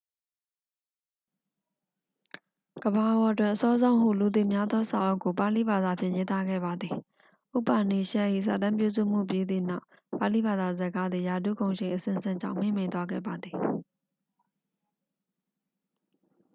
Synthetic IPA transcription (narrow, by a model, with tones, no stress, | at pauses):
ɡ̥əba˨ʔəwɔ˨ətwɪ̃˦ʔəsɔ˦zõ˦ʊ̃ɦhṵ˦˨lu˨t̪̬ḛ˦˨mja˦d̪ðɔ˦sa̰˨ʔo˦ʊkːo˨pa˨lḭ˦˨ba˨d̪a˨pʰjɪ̃˦˨je˦t̪a˦ɡɛ̰˦˨ba˨d̪ði˨ | ʔo˦˨pa˨ni˨ʃɛ˦ʔḭ˦˨sä̰˨tã˦mpju˦˨zṵ˦˨m̥ṵ˦˨pje˦d̪ðḭ˦˨na˦ʊʔ | pa˨li˦˨ba˨d̪a˨zə˨ka˦d̪ði˨ja˨d̪ṵ˦˨ɡõ˨ʊ̃ʃɪ̃˨ʔəsɪ̰̃˦˨sɪ̰̃˦˨ɲd͡ʑã̰˦˨ʊ̃m̥ḛ̃˦˨mẽ˨ɪ̃nt̪wa˦ɡɛ̰˦˨ba˨d̪ði˨